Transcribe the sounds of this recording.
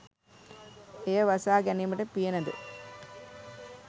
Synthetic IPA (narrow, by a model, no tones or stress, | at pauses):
ejɐʋɐsaːɡɛnimɐʈɐpːijenɐd̪ṵ